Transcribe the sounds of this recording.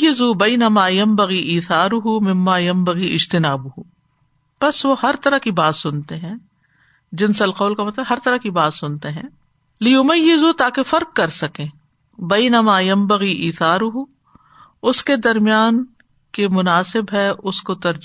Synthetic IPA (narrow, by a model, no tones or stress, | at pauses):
ɪzubɐɪnɐmaːjɐ̃mbɐɣiʔiːθaːɾʊɦumɪ̃mːaːjɐ̃mbɐɣiɪd͡ʒt̪ɪnaːbʊɦu | pɐsʋohɐɾt̪ɐɾakibaːt̪sʊnt̪eɦɛ̃ː | d͡ʒɪnsɐlqɐːlkamɐt̪ləbɦɐɾt̪ɐɾakibaːt̪sʊnt̪eɦɛ̰̃ː | lɪjʊmɐjːɪzut̪aːkefɐɾq̚kɐɾsɐkẽː | bɐɪnɐmaːjɐ̃mbɐɣiʔiːθaːɾʊɦu | ʊsked̪ɐɾmijaːn | kemʊnaːsɪbɦɛʔʊskot̪ɐɾd͡ʒ